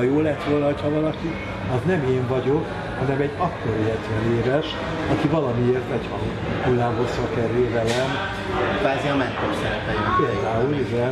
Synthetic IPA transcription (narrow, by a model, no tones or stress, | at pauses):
joːlɛt̪ʋoːlnɒɦo̞chɒvɒlɒki | ɒznɛmeːɱvɒɟo̞k | hɒnɛmɛɟːɒkːoɾiɛt̪vɛneːvɛʃ | ɒkivɒlɒmieːrt̪ɛchɒ | kulːaːɦosʋɒkɛɾylvɛlɛm | kvaːziɒmɛkːorsɛɾɛpɛjpeːld̪aːulizɛ